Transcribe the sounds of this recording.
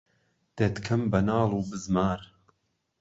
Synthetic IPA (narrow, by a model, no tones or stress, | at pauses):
d̪̥et̪kʰɐmbɐnaːlˠuːbɨzmaːɾ